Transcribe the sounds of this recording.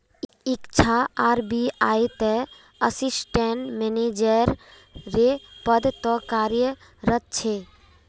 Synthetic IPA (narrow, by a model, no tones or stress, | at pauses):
ikt͡ʃʰaaɾbiajt̪ɛ | əsisʈeɳʈmened͡ʒəɾː | epəd̪t̪ɔkaɾjə | ɾət̪̚t͡ʃʰe